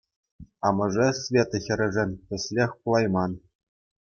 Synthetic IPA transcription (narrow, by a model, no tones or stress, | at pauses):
ɑmɤ̆ʐɤsvʲet̪ɤ̆xʲɘ̆ɾʲɘ̆ʐɘ̆nʲpʲɘ̆sʲlʲexʲkulˠɑjmɑn